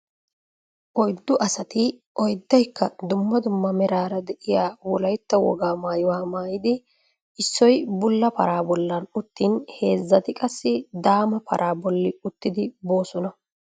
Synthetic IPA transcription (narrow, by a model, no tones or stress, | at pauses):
ʔɔjd̪ːʊʔɐsɐt̪ɪʔɔjd̪ːɐjkːɐd̪ʊmːɐd̪ʊmːɐmɛɾaːɾɐd̪ɛʔɪjaːwɔlɐjt̪ːɐwɔ̰ɡaːmaːjɪwaːmaːjɪd̪ɪ | ɪsːɔjbʊlːɐpɐ̰ɾaːbɔlːɐnʊt̪ːiːnhe̞ːzːɐt̪ɪkʼɐsːɪd̪aːmɐpʰɐ̰ɾʔaːbɔlːɪʊt̪ːɪd̪ɪbo̞ːsɔnɐ